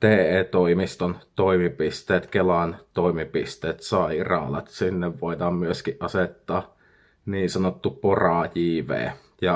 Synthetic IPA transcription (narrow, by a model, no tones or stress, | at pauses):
t̪eːeːt̪oimist̪ont̪oimipist̪eːt̪kelɑnt̪oimipist̪eːt̪sɑˑiirɑ̰lɑ̰t̪sinːeʋʋoˑit̪ɑːmmyøskiʔʔɑset̪ːɑː | niːnsɑnot̪ːuporɑˑjiːʋḛː | jɑ